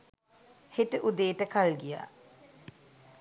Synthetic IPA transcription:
heʈəʔud̪eːʈəkalɡija̰ː

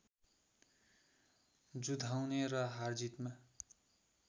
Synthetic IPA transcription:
d͡zud̪ʱawnerʌɦard͡zit̪ma

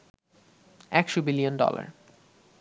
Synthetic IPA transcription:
ɛkʃobilijonɖɔ̰la̰ɾ

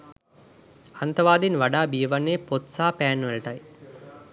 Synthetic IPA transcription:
ant̪ɐʋaːd̪inʋaɖaːbijəʋanːeːpot̪saːpæːnːʋelɐʈɐj

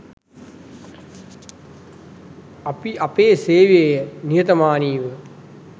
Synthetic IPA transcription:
ɐpiʔɐpeːseːʋejɐnijɐt̪ɐmaːniːʋɨ

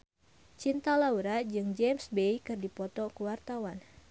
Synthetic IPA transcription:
t͡ʃint̪alauɾad͡ʒɨŋd͡ʒemsbejkɨrdipɔt̪ɔkuwart̪awan

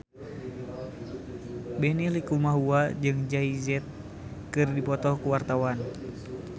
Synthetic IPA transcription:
bɛnilikumaɦuad͡ʒɨŋd͡ʒaizɛt̪̚ | kɨrdipɔt̪ɔkuwart̪awan

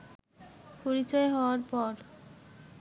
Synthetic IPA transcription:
poɾit͡ɕɔeɦɔoaɾpɔɾ

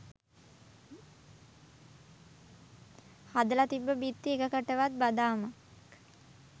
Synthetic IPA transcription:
had̪əlat̪ibːəbit̪ːiekəkəʈəʋat̪̚bad̪aːma | k

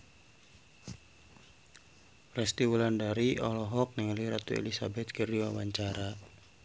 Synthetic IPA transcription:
rɛst̪iwulandaɾiɔlɔɦɔk̚nɛŋliɾat̪uḛlisabɛt̪̚kərdiwawaɲt͡ʃaɾa

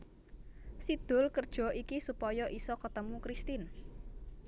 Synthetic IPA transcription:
sid̪̥ʊ̤lkərd̥ʒ̥ɔ̤ʔikisupɔjɔʔisɔkət̪əmukɾist̪ɪn

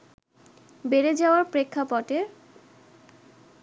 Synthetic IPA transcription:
beɾed͡ʑaoaɾpɾekʰːapɔʈeɾ

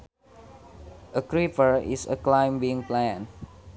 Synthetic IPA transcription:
ʔəkɹipəɹḭsə̰klãjmbĩŋplɛ̃n

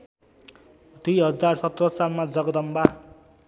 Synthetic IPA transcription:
d̪ujɦʌd͡zarsʌt̪rʌsalmad͡zʌɡʌd̪ʌmba

